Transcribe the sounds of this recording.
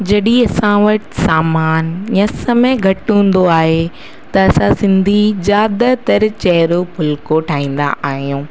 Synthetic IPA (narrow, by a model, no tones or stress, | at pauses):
d͡ʑɐɗiɐsãʋɐʈɪ̥saːmaːnjɐ̃sɐmẽɡʱɐʈũːn̆d̪oaːɦe | t̪ɐɐsãsɪ̃nd̪ʱizjaːd̪t̪ɐɾt͡ɕɐɦɪɾobʱʊlkoʈʰaːɦĩːn̆d̪a̰ʔaːɦijũː